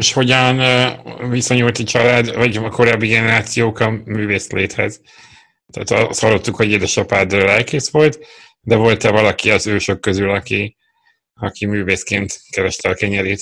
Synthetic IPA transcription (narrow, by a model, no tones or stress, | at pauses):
ʃho̞ɟɒn | visɒɲult̪ɒt͡ʃɒlaːd̪vɒɟɒko̞ɾaːbːiɡɛnɛɾaːt̪sijoːkɒmyːveːsleːt̪hɛz | t̪a̰ːt̪ɒst̪hɒlːot̪ːukhoɟeːd̪ɛʃɒpaːd̪lɛlkeːsʋo̞lt̪ | d̪ɛvo̞lt̪ɛvɒlɒkiɒzøːʃokːøzylɒki | ɒkimyːveːskeːnt̪kɛɾɛʃt̪ɛlkɛɲɛɾiːt̪